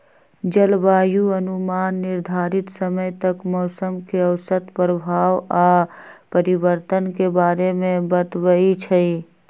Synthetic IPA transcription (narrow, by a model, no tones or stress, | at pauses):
d͡ʒəlbaːjuənumaːnːɪɾd̪ʱaːɾit̪səməjt̪əkmɔːsəmkeəʊsət̪pɾəbʱaːwapəɾibəɾt̪ənkebaːɾemẽbət̪wəit͡ʃʰəi